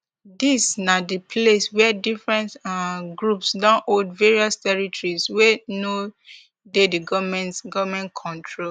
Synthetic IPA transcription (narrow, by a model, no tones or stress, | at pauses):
disnadipʰleswɛdifɹɛ̃ntɡɹupsdɔ̃nʔoldveɹiɔstɛɹitɔɹiswɛno | dediɡɔmɛ̃nɡɔvmɛ̃ntkʰɔ̃ntʰɹo